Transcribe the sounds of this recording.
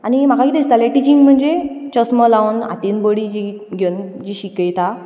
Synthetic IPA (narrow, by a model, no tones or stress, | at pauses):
anim̤akakiːd̪ist̪alẽʈit͡ɕiŋɡm̤əɳd͡ʑet͡ɕəsməlauna̰t̪inbəɽid͡ʑi | ɡʱend͡ʑiɕikəjt̪a